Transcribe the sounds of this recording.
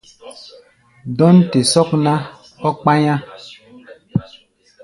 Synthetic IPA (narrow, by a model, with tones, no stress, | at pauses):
dɔ˦nte˨sɔ˦kna˦ | ɔ˦k͡pa˦ɲã˦